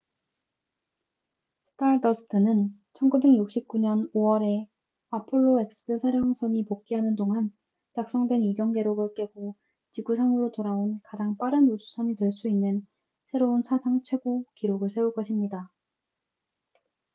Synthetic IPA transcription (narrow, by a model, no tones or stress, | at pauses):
sʰɯ̥tʰaɾdʌsʰɯ̥tʰɯnɯnt͡ɕʰʌnɡube̞ɡjuk̚ɕ͈ip̚k͈uɲʌnoʌɾe̞ | apʰoɭːoek̚s͈ɯsʰaɾjʌŋsʰʌɲipok̚k͈iɦanɯndoŋan | t͡ɕak̚s͈ʌŋdwe̞nid͡ʑʌŋɡe̞ɾoɡɯɭk͈e̞ɡo | t͡ɕiɡusʰaŋɯɾotoɾaonkad͡ʑaŋp͈aɾɯnosʰu̥sʰʌɲitweɭs͈uinːɯn | sʰe̞ɾounsʰasʰaŋt͡ɕʰwe̞ɡokiɾoɡɯɭsʰe̞uɭk͈ʌɕʰimɲida